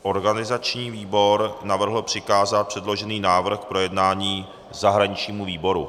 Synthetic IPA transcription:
ʔo̞ɾɡanɪzat͡ʃɲiːviːbo̞ɾnavr̩ɦl̩pr̝̥ɪkaːzat̪̚pr̥ɛdlo̞ʒɛniːnaːvr̩xk̚pɾo̞jɛdnaːɲiː | zaɦɾaɲɪt͡ʃɲiːmuviːbo̞ɾṵ

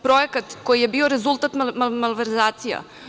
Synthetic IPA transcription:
pɾojekat̪kojije̞bioɾezulˠt̪at̪mamamalʋeɾzaːt̪sija̰

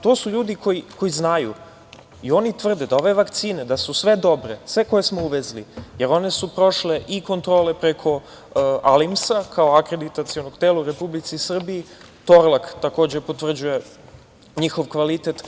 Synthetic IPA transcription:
t̪o̞ːsuʎuːd̪iko̞jiko̞jiznajṵ | io̞nit̪ʋr̩d̪ed̪ao̞ʋe̞ʋakt̪siːned̪asusʋe̞d̪o̞bɾesʋe̞ko̞je̞smouʋezlḭjeɾo̞ne̞supɾo̞ʃle̞ʔiko̞nt̪ɾo̞ːle̞pɾekʰo̞ | alimsakʰao̞akɾe̞d̪it̪at̪sio̞noɡt̪eːlauɾe̞publit̪sisr̩bii | t̪o̞ɾlˠakt̪ako̞ːd͡ʑepot̪ʋr̩d͡ʑuje̞ | ɲixo̞ʋkʋalit̪et̪

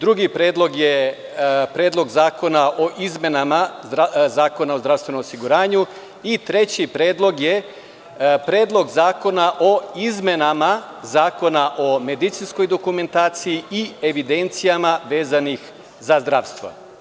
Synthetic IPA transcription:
d̪ɾuɡipɾeːd̪lˠo̞ɡje | pɾeːd̪lo̞ɡzaːko̞naʔoʔizme̞nama | zaːko̞naozd̪ɾaʋst̪ʋe̞nomosiɡuɾaːɲu | it̪ɾe̞t͡ɕipɾeːd̪lˠo̞ɡje | pɾe̞ːd̪lˠo̞ɡzaːko̞naʔo̞izme̞nama | zaːko̞naʔo̞me̞d̪it̪sinsko̞jd̪o̞kume̞nt̪aːt̪sijiie̞ʋid̪e̞nt̪sijamaʋe̞ːzanix | zazd̪ɾaʋst̪ʋo̰

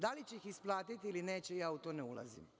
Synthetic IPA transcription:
d̪alit͡ɕeixisplˠaːt̪it̪iiline̞ːt͡ɕejaːut̪oneulˠa̰zḭm

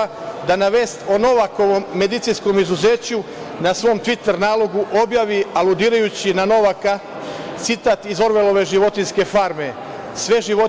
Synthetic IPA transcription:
d̪anaʋe̞ːst̪o̞no̞ʋako̞ʋo̞mːe̞d̪it̪sinsko̞mizuze̞ːt͡ɕu | nasʋo̞ːmt̪ʋit̪eɾnaːlˠo̞ɡuʔo̞bjaʋialud̪iːɾajut͡ɕinano̞ʋaka | t̪sit̪aːt̪izo̞ɾʋe̞lˠo̞ʋe̞ʒiʋo̞t̪inske̞faɾme̞ | sʋe̞ʒiʋo

